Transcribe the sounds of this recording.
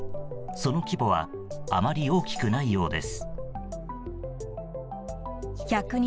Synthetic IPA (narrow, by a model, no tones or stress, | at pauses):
so̞no̞kʲibo̞β̞a̰ | amaɾʲio̞ːkʲi̥kɯ̟naijo̞ːd̪e̞̰sɨ̥ | çʲakɯ̟ɲ̟